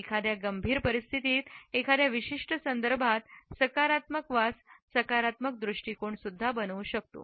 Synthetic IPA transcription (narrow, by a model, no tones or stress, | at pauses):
ekʰad̪jaɡəmbʱiːɾpəɾist̪ʰit̪iːt̪ekʰad̪jaʋiɕiʂʈəsənd̪əɾbʱat̪səkaɾat̪məkʋassəkaɾat̪mək̚d̪ɾuʂʈikoɳsud̪ʱːabənʋuɕək̚t̪o̰